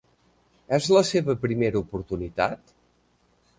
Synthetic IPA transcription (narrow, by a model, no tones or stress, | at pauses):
ɛzləseβəpɾimeɾupuɾt̪unit̪a̰t̪